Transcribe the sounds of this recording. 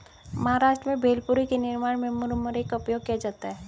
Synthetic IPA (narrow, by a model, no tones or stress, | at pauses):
mɐɦaɾaːʃʈɾəmẽbʱeːlpʊɾikenɪɾmaːɽmẽmʊɾmʊɾekʊpjoːɡ̚kijad͡ʒaːt̪aɦɛː